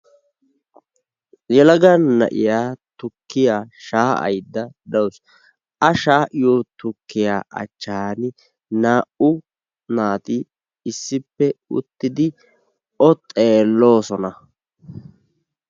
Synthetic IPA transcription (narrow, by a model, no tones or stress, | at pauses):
jɛlɐɡɐnːɐ̰ʔɪ̰jaːt̪ʊkːɪjaːʃaːʔɐ̰jd̪ːɐd̪ɐws | ʔɐʃaːʔɪjot̪ʊkːɪjaːʔɐ̰t͡ʃːɐːnɪ | naːʔʊ | naːt̪ɪ | ɪsːɪpːɛʊ̰t̪ːɪd̪ɪ | ɔt̪ʼeːlːo̞ːsɔnɐ